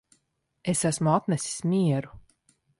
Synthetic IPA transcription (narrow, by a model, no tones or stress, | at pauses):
esæsmuat̪nɛsi̥smʲiɛɾu